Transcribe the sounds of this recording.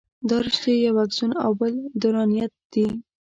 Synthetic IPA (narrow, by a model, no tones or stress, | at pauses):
d̪ɑɾɪʃd̪ejawaɡzuna̰wbəld̪ʊɾɑnijat̪̚d̪̥i